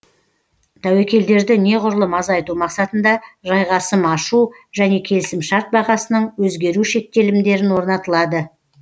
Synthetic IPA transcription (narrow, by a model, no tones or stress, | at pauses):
t̪ʰæwekʲe̞ld̪e̞ɾd̪ɪne̞ʁʊɾəlˠəmɑzɑjt̪umɑqsɑt̪ənd̪ɑʒɑjʁɑsəmɑʃu | ʒ̥æne̞kʲʰe̞lɪsɪmʃɑɾt̪̚bɑʁɑsənəɴwɵzɡʲe̞ɾuʃe̞k̚t̪e̞lɪmd̪e̞ɾɪnwo̞ɾnɑt̪əlˠɑd̪ə